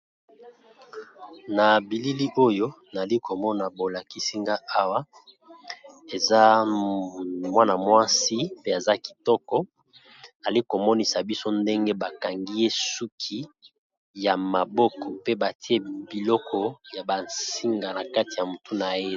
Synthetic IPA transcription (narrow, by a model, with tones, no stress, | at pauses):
na˨bi˨li˦li˦ʔo˦jo˦ | na˨li˦ko˨mɔ˦na˨bo˨la˨ki˦si˦ŋɡa˦ʔa˦wa˦ | e˨za˦ | mwa˦na˨mwa˦si˦pe˦e˨za˦ki̥˨tɔ˦kɔ˦ | na˨li˦ko˨mɔ˦ni˨sa˨bi˦so˦nde˦ŋɡe˦ba˨ka˨ŋɡi˦je˦su˦kʰi˦ | ja˨ma˨bɔ˦kɔ˨pe˦ba˨ti˦e˦bi˨lɔ˦kʰɔ˦ja˨ba˨nsi˦ŋɡa˨na˨ka˦ti˨ja˨mo˨tu˦na˨je˦